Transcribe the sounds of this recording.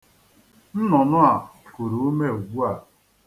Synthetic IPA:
n̩˦nɔ˨nʊ˦a˨ku˨ɾu˨˦me˦˨u˨ɡ͡bu˦a˨

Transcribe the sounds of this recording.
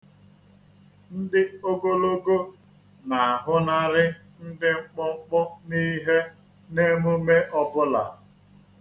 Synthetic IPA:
n̩˦dɪ˦o˦ɡo˦lo˦ɡo˦ | na˨a˨ɦʊ˦na˦ɾɪ˦ | n̩˦dɪ˦ŋ͡m̩˦k͡pɔ˦ŋ͡m̩˦k͡pɔ˦ni˦ɦe˦ | ne˦mu˦me˦ʔɔ˦bʊ˦la̰˨

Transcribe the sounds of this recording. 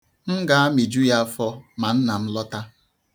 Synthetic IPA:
ŋ̩˦ɡa˨˦a˦mi˨d͡ʒu˦ja˦fɔ˦ma˨n̩˦na˨m̩˦lɔ˦ta˦

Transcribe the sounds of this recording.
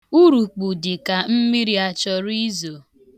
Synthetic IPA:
u˦ɾu˨k͡pu˨dɪ˨ka˨m̩˦mi˦ɾi˦a˨t͡ʃɔ˦ɾi˦zo˨

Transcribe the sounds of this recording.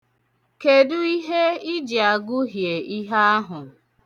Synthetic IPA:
ke˨dʊ˦i˦ɦe˦ɪ˦d͡ʒɪ˨a˨ɡʊ˦ɦje˨i˦ɦa˦a˦ɦʊ˨

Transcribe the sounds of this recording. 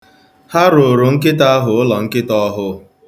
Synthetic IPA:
ha˦ɾo˨ɾo˨ŋ̩˦k̬ɪ˦ta˦a˦ɦʊ˨ʊ˦lɔ˨ŋ̩˦kɪ˦tɔ˦ɦʊ˦

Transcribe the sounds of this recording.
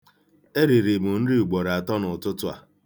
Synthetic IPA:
e˦ɾi˨ɾi˨mʊ˨n̩˦ɾi˦u˨ɡ͡bo˨ɾa˨tɔ˦nʊ˨tʊ˦tʊ˦a̰˨

